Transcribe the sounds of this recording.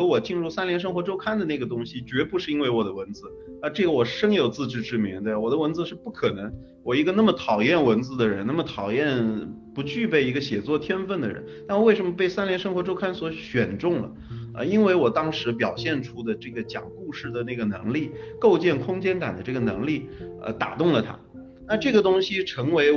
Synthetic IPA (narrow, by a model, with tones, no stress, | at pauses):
xɤ˧˥wɔ˨˩t͡ɕi˥˧nɻu˥˩sa˥nljɛ˧˥nʂ̬ɤ˥ŋxwɔ˧˥ʈ͡ʂo˥ʊkʰa˥nd̪ə˨na˥˩ɡə˩t̪̬ʊ˥ŋɕi˨t͡ɕɥɛ˧˥pu˧˥ʂɻ̩˥˩˧i˥nwe˥˩ɪwɔ˨˩d̪ə˦wə˧˥nt͡sɹ̩˧ | a˥˧ʈ͡ʂɤ˥˩ɡə˩wɔ˨˩ʂɤ˥ŋjo˨˩ʊt͡sɹ̩˥˧ʈ͡ʂɻ̩˥˧ʈ͡ʂɻ̩˥˩mi˧˥ŋd̪ə˧wɔ˨˩d̪ə˦wə˧˥nt͡sɹ̩˧ʂɻ̩˥˧pu˥˩kʰɤ˨˩nɤ˧˥ŋ | wɔ˨˩i˧˥ɡə˧na˥˩mə˩t̪ʰɑ˨˩ʊjɛ˥˩nwə˧˥nt͡sɹ̩˥˧d̪ə˨ɻə˧˥na˥˩mə˩t̪ʰɑ˨˩ʊjɛ˥˩npu˧˥t͡ɕy˥˧pe˥˩ɪi˧˥ɡə˧ɕjɛ˨˩t͡swɔ˥˩t̪ʰjɛ˥nfə˥˩nd̪ə̰˩ɻə̰˧˥nt̪a˥˧n˧we˥˩ɪʂə˧˥nmə˧pe˥˩ɪsa˥nljɛ˧˥nʂɤ˥ŋxwɔ˧˥ʈ͡ʂo˥ʊkʰa˥nswɔ˧˥ɕɥɛ˨˩nʈ͡ʂʊ˥˩ŋlə̰˩ | ə̰˧i˥nwe˥˩ɪwɔ˨˩t̪ɑ˥ŋʂɻ̩˧˥pjɑ˨˩ʊɕjɛ˥˩nʈ͡ʂʰu˥d̪ə˨ʈ͡ʂɤ˥˩ɡə˩t͡ɕjɑ̰˨˩ŋku˥˧ʂɻ̩˥˩d̪ə˩na˥˩ɡə˩nɤ̰˧˥ŋli˥˩ko˥˧ʊt͡ɕjɛ˥˩nkʰʊ˥ŋt͡ɕjɛ˥nka̰˨˩nd̪ə˦ʈ͡ʂɤ˥˩ɡə˩nɤ̰˧˥ŋli˥˩ə̰˧t̪a̰˨˩t̪ʊ˥˩ŋlə˩t̪ʰa̰˥ | na˥˧ʈ͡ʂɤ˥˩ɡə˩t̪ʊ˥ŋɕi˧ʈ͡ʂʰɤ˧˥ŋwe˧˥ɪ